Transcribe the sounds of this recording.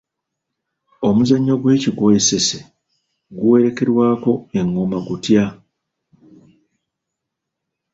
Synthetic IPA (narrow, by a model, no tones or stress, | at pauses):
o̞muzaɲːo̞ɡwe̞ːciɡojese̞se | ɡuwe̞ɾe̞ke̞ɾwaːko̞e̞ŋːomaɡutja